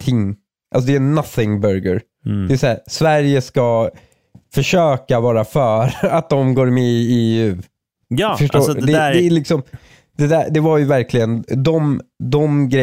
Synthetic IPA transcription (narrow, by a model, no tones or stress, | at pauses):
t̪ʰɪŋ | ʔa̰ls̬ɔd̪ɛnaθɪŋbœɾɡə̰ɾ | ɛːsæːɾsvæɾjəska | fœʂøːkavɑːɾafœːɾat̪̚d̪ɔmɡoːɾmɛɪeːʉ̟ː | fəʂdd̪ɛɛlɪksɔm | d̪̥ɛd̪æɖ̪ɛvaɾjɵvæɾklɪɡənd̪ɔmd̪ɔmɡɾɛ